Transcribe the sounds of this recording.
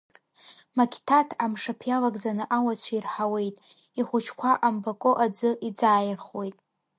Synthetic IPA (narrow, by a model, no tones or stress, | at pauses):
makʲʰtʰatʰamʂapʰjalaɡʼd͡zanɨʔawat͡ɕʷʰairħawe̞jtʼ | iχʷʊt͡ʃʰkʷʰaʔambakʼoʔad͡zɨʔid͡zaːjɪrχwe̞jtʼ